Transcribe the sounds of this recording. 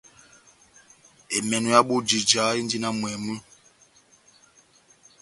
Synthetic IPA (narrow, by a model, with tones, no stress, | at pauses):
e˨mɛ˨nu˨ja˦ɓu˦d͡ʒi˨d͡ʒa˨˦i˦ndi˦na˦mwɛ˨mu˦